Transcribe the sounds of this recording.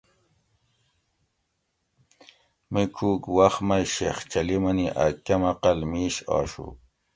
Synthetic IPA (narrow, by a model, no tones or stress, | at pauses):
mikʰuːkwaχmajɕeχt͡ɕalimaniʔakamaqalmiːɕɑ̰ːʂṵ